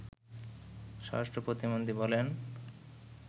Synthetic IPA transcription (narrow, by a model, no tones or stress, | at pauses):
ʃɔ̰ɾaʃʈɾopɾot̪imond̪ʱibɔlen